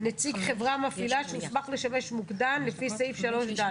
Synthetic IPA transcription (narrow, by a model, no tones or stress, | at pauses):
net͡siɡχe̞vʁamafilaʃeusmaχle̞ʃame̞ʃmuɡd̪anlefisejfʃalo̞ʃd̪a